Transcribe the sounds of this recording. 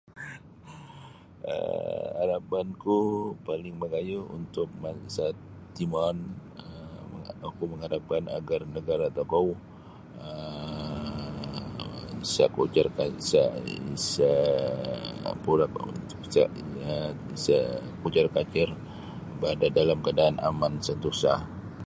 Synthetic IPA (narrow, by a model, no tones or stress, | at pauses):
ə̰ha̰ɾapankupalɪŋməɡajuṵnt̪ʊk̚masat̪ː | imɔnəəŋakuməŋadapana̰ɡarnəɡaɾat̪akau | ə | isa̰kut͡ʃarkasaḭsa | puɾakṵ | sa̰ | isakut͡ʃarkat͡ʃɪr | bəadadalamkadaːnʔa̰mansənt̪usa